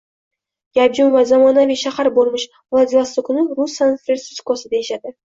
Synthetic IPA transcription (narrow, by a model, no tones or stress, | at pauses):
jabd͡ʒʊmvazamɒnaviʃahaɾboɾmɪʃ | vlˠad̪ʲlˠast̪ɪkʰʊnɪɾʊsːanfɾeɾt̪sɪskosɪd̪aeʃad̪ɪ